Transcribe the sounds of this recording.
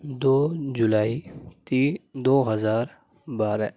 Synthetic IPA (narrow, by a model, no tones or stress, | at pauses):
d̪oːd͡ʒʊlaːit̪id̪oːɦəzaːɾ | baːɾɛ